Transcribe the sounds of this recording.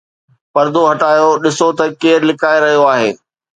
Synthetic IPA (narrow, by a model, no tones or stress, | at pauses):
pɐɾd̪oɦɐʈaːjoɗɪsot̪ɐkeːɾlɪkaːeɾɐɦijoaːɦḛː